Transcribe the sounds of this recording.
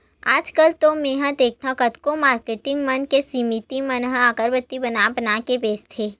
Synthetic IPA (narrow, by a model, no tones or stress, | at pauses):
aːd͡ʒkəlt̪omẽːɦãd̪eːk̚ʰt̪ʰãkɐt̪komaːɾkeːʈɪ̃ŋɡmɐnkesimit̪imɐnɦaːkəɾbət̪ːibənabənakebeːst̪ʰeː